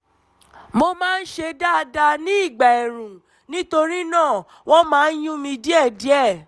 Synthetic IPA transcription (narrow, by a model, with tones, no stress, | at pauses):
mo˧mãː˦˧n̩˦ʃe˧da˦˧da˧nĩ˦i˦˨ɡ͡ba˨ɛ˨ɾũ˨ | nĩ˦to˧ɾi˦nãː˦˨ | w̃ɔ̃˦mãː˦˧n̩˦jũ˦mĩ˧di˦ɛ˦˨di˨˦ɛ˦˨